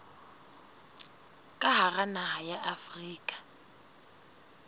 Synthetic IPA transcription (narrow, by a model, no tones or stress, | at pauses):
kʼaɦaranaɦajaʔafriːkʼḁ